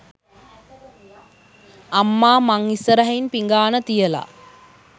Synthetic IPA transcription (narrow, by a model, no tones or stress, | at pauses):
amːaːmaŋisəɾɐɦɐinpiŋɡaːnət̪ijəla̰